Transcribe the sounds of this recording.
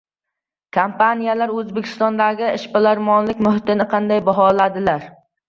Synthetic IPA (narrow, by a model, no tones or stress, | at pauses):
kʰampʰanijalaɾɵzbekʲʰɪ̥st̪ɒnd̪aɡʲɪɪʃpɪlaɾmɒnlɪkʲmʊɦɪt̪ɪnɪqʰɑnd̪ajbaɦɒlad̪ɪlaɾ